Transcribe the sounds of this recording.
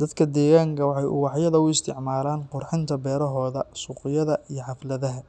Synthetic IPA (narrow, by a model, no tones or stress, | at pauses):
d̪̥ɐd̪kʰɐd̪ɛːɣaːŋkʰɐwɑħɑjʔʊ̰wɑħjɐðɐʊɪst̪ʰɪʕmaːlaːnqʊrħɪnt̪ʰɐbɛːɾɐɦɔːðɐsuːqɪjɐðɐʔijɞħɑflɐðɐɦɐ